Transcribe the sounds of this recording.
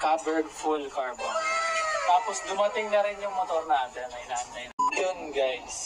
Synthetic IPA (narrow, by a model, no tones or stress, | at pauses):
kabɛɹɡfulkaɹbont̪aːposd̪ʊmɐt̪ɪŋnɐɾɪnjʊŋmot̪oɾnaːt̪ɛnmɐʔɪnaːnɐɪnjonɡajs